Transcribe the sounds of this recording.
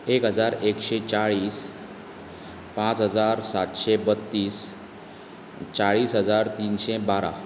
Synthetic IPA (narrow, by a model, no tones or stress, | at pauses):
ekɦəd͡zaɾekɕet͡saɭiːs | pãt͡sɦəd͡zaɾsat̪ɕebət̪ːiːs | t͡saɭiːsɦəd͡zaɾt̪iːnɕebaɾa̰